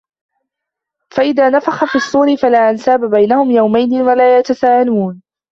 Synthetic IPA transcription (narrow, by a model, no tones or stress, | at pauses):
faʔɪðaːnafaxafiːɑsˤːuːɾɪfalaːʔansaːbabajnahʊmjawmajnɪwalaːjat̪asaːʔaluːn